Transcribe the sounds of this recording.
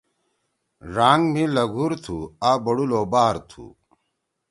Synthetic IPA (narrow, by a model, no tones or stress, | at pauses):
ɾaːŋɡmilɐɡʱuɾt̪ʰuaːbɐɽuloːbaːɾt̪ʰṵ